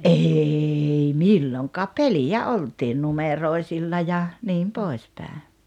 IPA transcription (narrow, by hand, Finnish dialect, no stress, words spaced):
ʔeːi milːoŋkɑːp̆ pelijæ oltiːn numeroi̞silːɑ jɑ niːm poˑis pæˑe